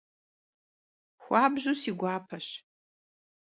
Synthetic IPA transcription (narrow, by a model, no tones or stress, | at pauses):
xʷaːbʒusiɡʷaːpʰɐɕ